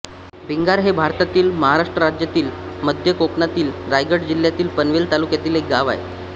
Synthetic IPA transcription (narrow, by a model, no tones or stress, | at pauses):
bʱiŋɡaɾɦebʱaɾt̪at̪iːlməɦaɾaʂʈɾəɾad͡ʑjat̪iːlməd̪ʱjəkoknat̪iːlɾajɡəʈd͡ʑiljat̪iːlpənʋelt̪alukjat̪iːlek̚ɡaʋa̰ḛ